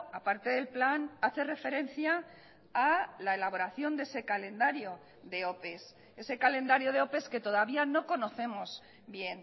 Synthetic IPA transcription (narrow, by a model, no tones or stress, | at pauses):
apaɾt̪e̞ðe̞lplanaθe̞re̞fe̞ɾe̞nθjaː | lae̞laβ̞o̞ɾaθjo̞nd̪e̞se̞kalẽ̞nd̪aɾjo̞ | ðe̞o̞pe̞s | e̞se̞kale̞nd̪aɾjo̞ð̞e̞o̞pe̞ske̞t̪o̞ðaβ̞iano̞ko̞no̞θe̞moz | βje̞n